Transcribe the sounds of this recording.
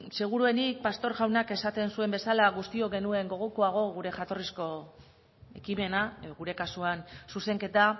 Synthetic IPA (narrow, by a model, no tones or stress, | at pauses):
se̞ɣ̞uɾue̞nik̚past̪o̞ɾɣawnake̞sat̪e̞nsue̞mbe̞salaɣ̞ust̪io̞ɣe̞nue̞ŋɡo̞ɣ̞okoaɣ̞o̞ɣ̞uɾe̞ʝat̪o̞risko̞ | e̞kime̞naɣuɾe̞kasuansuse̞ŋke̞t̪a